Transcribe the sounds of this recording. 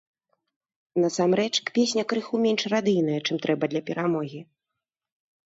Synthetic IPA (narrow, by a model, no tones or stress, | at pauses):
nɐsamɾɛt͡ʂkpʲesʲnʲɐkɾɨxumʲɛnʂrad̪ɨjnɐjɐt͡ʂɨmt̪ɾɛbɐd̪lʲɐpʲɛɾʔamɔɣʲi